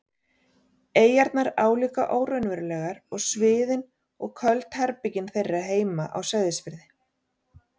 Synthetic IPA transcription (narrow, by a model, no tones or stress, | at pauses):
eːjaɾt̪naɾaːwliːka̰ʔoːwɾœɥnvɛɾʏlɛːɣaɾɔɣsvɪːðɪn | ɔɣkʰœlt̪haɾpɪcɪnθejrːɪaɦeːjma̰ʔa̰wsajðɪspɪɾðɪ